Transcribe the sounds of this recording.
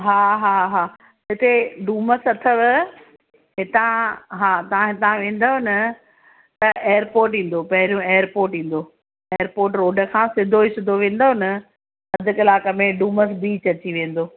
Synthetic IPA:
ɦaːɦaːɦaː | ɪt̪eɖuːməsɐt̪ʰəʋɪ | ɦɪt̪ãɦaːt̪ɐʋ̤ãɦɪt̪ãʋẽːn̆d̪oɦnɐ | t̪ɐeːjːəɾpoːɾʈĩːn̆d̪opɐɦɪɾijũeːəɾpoːɾʈɦĩːn̆d̪oː | eːəɾpoːɾʈ̬ɾoːɖəkʰãːsɪd̪ʱoɪsɪd̪ʱoʋẽːn̆d̪oɦɪnə | ɐd̪ʱɪkɪlaːkəmẽɖuːməs̬biːt͡ɕɐt͡ɕiʋẽːn̆d̪oː

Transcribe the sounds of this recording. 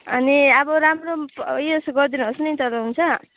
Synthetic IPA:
ʌ̰niʌbʌɾamrojʌsɡʌrd̪inuɦʌsnʌjt̪ʌlaɦunt͡sʰʌ

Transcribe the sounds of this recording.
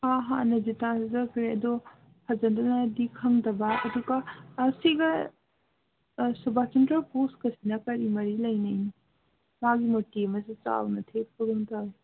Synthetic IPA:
aɦanɐzitazɐkʰɾeɐdɔ | hʰɐzɐndɐnɐdikʰɐŋdɐbɐːduɡɐːsiɡɐ | subʱakintɾaposkɐsinɐkɐɾimɐɾilɐjnɐjni | maɡimotiɐmɐsit͡ʃa̰wnɐtʰep̚kʰuɾumtaj

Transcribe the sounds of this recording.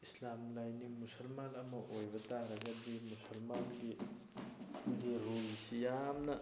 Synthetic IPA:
islamlajnimusɐlmanɐmɐʔojbɐt̪aɾɐɡɐd̪imusɐlmanɡi | deɾɦoisijamnɐ

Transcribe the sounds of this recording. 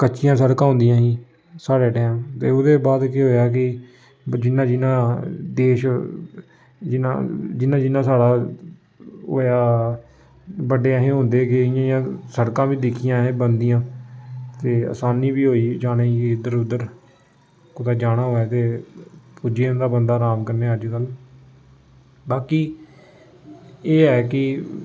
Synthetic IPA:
kəːt͡ʃʃɪjãːsəɽkãːɦõnd̪ɪjãːɦiː | saːɽeːʈɛːmt̪eːoːd̪eːbaːd̪keɦoːjaːk̬ɪ | d͡ʒɪnːãːd͡ʒɪnãːd̪eːʃ | d͡ʒɪnã̰ːd͡ʒɪnãːd͡ʒɪnãːsaːɽaː | o̰ːjaː | bəɖeːəɦẽːɦʊ̃nd̪eːkɪɪjãːɪjãːsəɽkãːbiːd̪ɪkʰijãːɦɛ̃ːbənd̪ijãː | t̪eːə̰ːsaːniːbiːɦoːiːd͡ʒaːnẽːkid̪əɾʊd̪əɾ | kot̪aːd͡ʒaːɽ̃aːɦoːɛːt̪eːpʊd͡ʒeːnd̪aːbənd̪aːɾaːmkəɾneːəd͡ʒkəl | baːkiː | eːɛːkɪ

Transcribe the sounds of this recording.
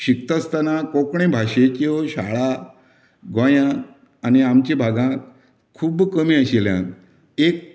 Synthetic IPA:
ɕik̚t̪əst̪anakokɳẽbʱaɕekĩʋoɕa̰ɭa | ɡajã | aniamt͡ɕebʱaɡãt̪ | kʰuːbkəmiːəɕeljã̰ | ek̚

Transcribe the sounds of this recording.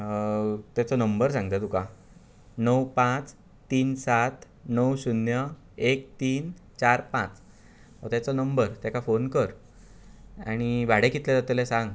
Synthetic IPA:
t̪jat͡sɔnəmbəɾsãŋɡ̚t̪at̪uka | nəwpãt͡s | t̪ːiːnsat̪ | nəwsunjə | ek̚t̪iːn | t͡ɕaɾpãt͡s | ɦɔ̰t̪jat͡sɔnəmbəɾt̪jakafonkəɾ | a̰ɽ̃iʋaɽekit̪led͡zat̪elesãŋɡ

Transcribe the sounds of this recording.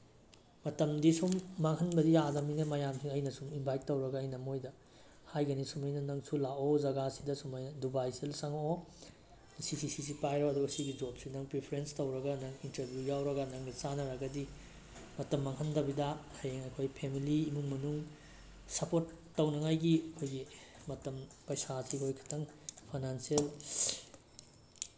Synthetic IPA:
mɐtɐmdisumːaŋhɐnbɐdijadɐminɐmɐjamsiŋɐjnɐsuminbʱajt̚ːɐwɾɐɡɐːjnɐmojdɐ | hajɡɐnisumɐjnɐnɐŋsulaozɐɡasi̥dɐsumɐjnɐdubajselsɐŋo | sisisis̬ipajɾoɐduɡɐsiɡid͡ʒop̚sinɐŋpɾipʰɐɾenstɐwɾɐɡɐnɐŋintɐɾbʱjujawɾɐɡɐnɐŋnit͡ʃanɐɾaɡɐdi | mɐtɐmːɐŋɦɐndɐbidɐhɐjeŋɐjkʰojpʰemiliːmuŋmɐnuŋ | sɐpotːɐwnɐŋajɡiɐkʰojɡimɐtɐmpɐjsasikʰojkʰɐ̥tʰɐŋpʰajnansiel

